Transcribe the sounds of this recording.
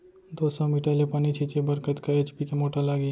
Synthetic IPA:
d̪oːsɔmiʈalepaːnit͡ʃʰit͡ʃebəɾkət̪kaeːt͡ʃpikemoːʈalaːɡi

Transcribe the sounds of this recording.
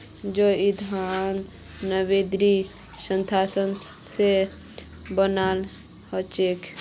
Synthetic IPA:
d͡ʒoɪd̪ʱanː | əwed̪ɾi | sə̃nt̪ʰaːsənse | bənaːl | hɔt͡ʃek

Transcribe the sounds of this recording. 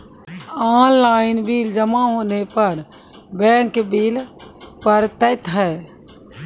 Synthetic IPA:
aːnlaːɪnbiːld͡ʒəmaɦoːnepəɾ | bɛ̃ːŋkbiːlpəɾt̪əɪt̪ɦɛ

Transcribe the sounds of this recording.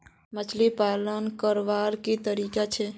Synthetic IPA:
mət͡ʃʰlipaːlənkəɾʋaːɾkit̪əɾiːkat͡ʃʰe

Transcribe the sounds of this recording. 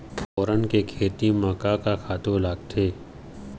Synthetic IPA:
fʰɔːɾənkekʰeːt̪imaːkakakʰaːt̪õlaːɡt̪ʰeː

